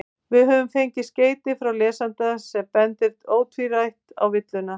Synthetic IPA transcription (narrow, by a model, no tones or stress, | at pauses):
vɪðɦœːvʏmfejɲcɪsceːjt̪ɪfɾawlɛːsant̪asɛmpɛnt̪ɪɾ̥t̪oːwt̪ʰviɾajht̪a̰wvɪt̪lʏna